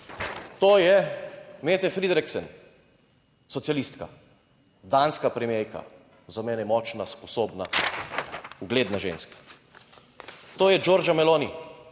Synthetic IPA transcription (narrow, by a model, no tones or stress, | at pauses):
t̪oːjɛmet̪ɛfɾid̪ɾɛksɛn | sɔt̪sijalist̪ka | d̪anskapɾɛmejka̰ | zamɛːnɛmɔt͡ʃnaspɔsoːbna | uɡleːd̪naʒḛnskḁ | t̪oːjɛd͡ʒoːɾd͡ʒamɛloːni